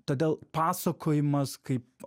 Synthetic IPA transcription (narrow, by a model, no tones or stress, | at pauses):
t̪oːd̪ʲeːlˠpaːsɐkʰoːjɪmɐskɐɪp̚